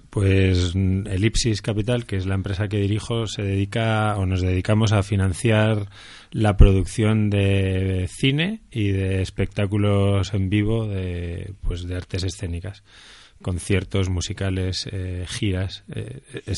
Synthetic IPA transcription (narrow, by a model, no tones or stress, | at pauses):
pwe̞se̞lipsiskapit̪alkeezlaempɾe̞sake̞ðiɾixo̞se̞ðeðikaono̞zð̞e̞ð̞ikamo̞s̬afinãn̟θjaɾ | lapɾo̞ð̞ukθjo̞nd̪e̞θine̞iðe̞ːspe̞k̚t̪akulo̞se̞mbiβ̞o̞ðe̞pwe̞zðeaɾt̪e̞se̞sθe̞nikas | ko̞n̟θje̞ɾt̪o̞zmusikale̞sexiɾasḛ